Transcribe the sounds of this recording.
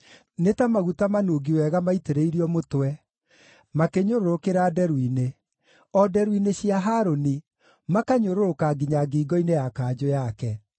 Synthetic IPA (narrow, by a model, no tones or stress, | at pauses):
netamaɣutamanoɡiwɛɣamaiteɾeiɾiɔmotwɛ | makeɲoɾoɾokeɾaːdɛɾwine | ɔdɛɾwineɕiaɦaɾoni | makaɲoɾoɾokaɡiɲaɡiːɡɔinejakaːd͡ʑojakɛ